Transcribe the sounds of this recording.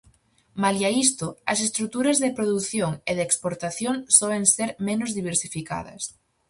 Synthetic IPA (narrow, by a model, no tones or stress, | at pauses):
maliaist̪ʊɐsest̪ɾut̪uɾɐzðepɾoðuθjoŋeðeːkspoɾt̪aθjoŋsɔβeŋseɾmẽnʊzðiβ̞eɾsifika̰ðɐ̰s